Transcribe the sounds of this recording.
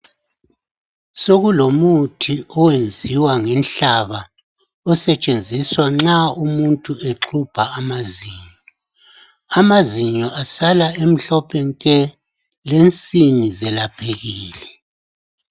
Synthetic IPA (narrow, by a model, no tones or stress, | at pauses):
soɣulomutʰiɔwend͡zʱiwaŋɛnɬaβa | ɔsɛt͡ʃʼend͡zʱiswaŋ͡ǁaumuntʼueǁʰub̥ʱaːmaziːɲɔɔ | amaziɲɔʔasalaem̩ɬɔpʰɛŋkʼɛ | lent͡sʼinizɛlab̥ʱeɣiːlɛ